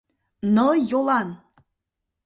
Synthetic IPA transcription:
nɤjolˠɑn

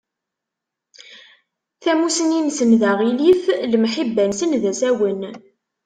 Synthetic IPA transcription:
θæmusəninsənðæʁiliflmħibːænsənðæsæwən

